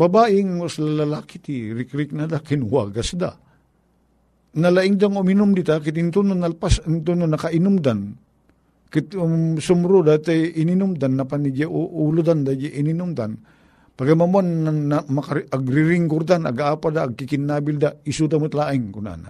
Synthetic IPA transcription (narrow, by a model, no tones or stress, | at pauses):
babaʔɪŋoslalalaːkɪt̪iɾɪkɾɪk̚nad̪akɪnwaɡasd̪a̰ | nɐlaʔɪŋd̪aŋʊminʊmd̪it̪akɪt̪ɪnt̪unʊnalpasɪnt̪unʊnːɐkaʔɪnʊmd̪an | kɪt̪ʊsʊmɾud̪at̪ajɪninʊmd̪anːapanid͡ʒaʔʔulʊd̪and̪ad͡ʒaʔɪninʊmd̪an | paɡamamwanːaamakaaɡɾɪɾɪŋɡʊɾd̪ana̰ɡaaːpad̪aːɡ̚kɪkɪnːabɪld̪aisud̪amʊt̪laʔɪŋkʊna̰na